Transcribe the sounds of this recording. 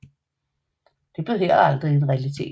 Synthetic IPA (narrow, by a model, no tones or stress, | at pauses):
d̥e̝b̥le̝ðˠheɐ̰d̥ɑ̈ld̥ʁienʁɛælit͡sʰe̝̰ː